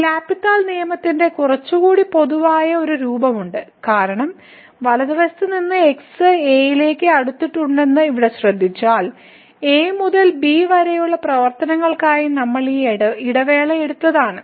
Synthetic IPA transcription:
laːpiʈːaːlnijɐmɐt̪ːinde̞kurɐt͡ɕːuɣuːɽipo̞ðuʋaːjɐo̞ɾuɾuːbɐmuɳɖɨkaːɾɐɳɐm | ʋɐlɐðiʋɐst̪ɨninːɨeksɨeːjile̞ːkːɨɐɽut̪ːiʈːuɳɖe̞nːɨiʋiɽeɕrɐd̪ʱːit͡ɕːaːɭ | e̞ːmuðɐlbiːʋɐɾejuɭːɐprɐʋɐrt̪ɐnɐŋːɐɭkaːjinɐmːɐɭiiɽɐʋe̞ːɭɐeɽut̪ːɐðaːɳɨ

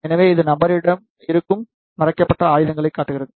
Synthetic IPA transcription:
ɛnɐʋeːɪðɯnɐbɐɾɪɽɐm | ɪɾɯkːɯm | nɪrɐkːɐpːɐʈːɐaːjɯðɐŋɡɐɭɐɪkːaːʈːɯɣɪrɐðɯ

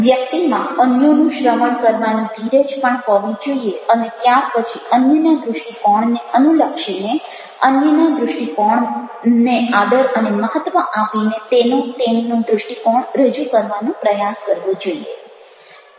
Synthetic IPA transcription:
ʋjək̚t̪imãənjonũʃɾəʋəɳkəɾʋanũd̪ʱiɾed͡ʒpəɳɦəʋĩd͡ʒoieənet̪jaɾpət͡ʃʰiənjənad̪ɾʊʃʈikɔɳneənuləkʃine | ənjənad̪ɾʊʃʈikɔɳnead̪əɾəneməɦət̪ʋəʔapinet̪enũt̪ennũd̪ɾʊʂʈikɔɳɾəd͡ʒukəɾʋanũpɾəjaskəɾʋũd͡ʒoie

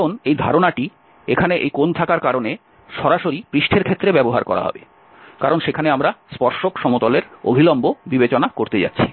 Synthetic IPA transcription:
onejd̪ʱa̰ɾonaʈi | ekʰaneʔḛjkont̪ʰakaɾkaɾone | ʃɔɾaʃoɾipɾiʃʈʰeɾkʰet̪ːɾebɛboɦa̰ɾkɔ̰ɾa̰ɦɔ̰bḛ | kaɾonʃekʰaneamɾaspɔɾʃokʃɔmot̪ɔleɾo̰bʱilɔmbobibet͡ɕonakoɾt̪ed͡ʑa̰tːɕʰi̥

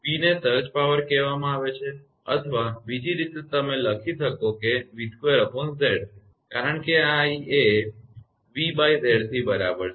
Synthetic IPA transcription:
ʋinesəɾt͡ʃpaʋəɾkɛʋamãaʋet͡ʃʰe | ə̰t̪ʰʋabid͡ʒiɾit̪et̪əmeləkʰit̪ʰəkokeʋid̪ʱkʋeɾəpʰonsd̪eɽ | kaɾəɳkeaie | ʋibaid̪eɽt̪ʰibəɾabəɾ

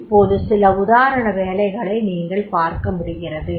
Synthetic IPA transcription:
pːoːðɯsɪlɐʊðaːɾɐɳɐʋeːlɐɪɣɐɭɐɪniːŋɡɐɭpaːɾkɐmʊɽɯɣɪrɐðɯ

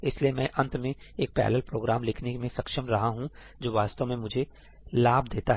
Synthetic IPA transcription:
ɪsliemɛ̃ːʔɐ̃nt̪mẽeːk̚pɛ̰ːləlpɾoːɡɾaːmlɪkʰnemẽsɐkʃəmɾɐɦaɦũ | d͡ʒoːʋaːst̪əmẽmʊd͡ʒʱe | laːbd̪eːt̪aɦɛː

